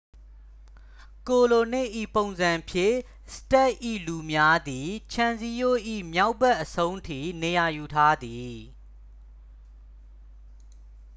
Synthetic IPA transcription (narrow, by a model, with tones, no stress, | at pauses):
ko˨lo˨nɪ̰̃˦˨ʔḭ˦˨põ˨ʊ̃nzã˨mpʰjɪ̃˦˨ | sə̥tɛ˦˨ʔḭ˦˨lu˨mja˦d̪i˨t͡ɕʰã˨nzi˦jo˦˨ʔḭ˦˨mja˦ʊpɛ˦ʔəsʰõ˦ʊ̃ntʰḭ˦˨ne˨ja˨ju˨tʰa˦d̪i˨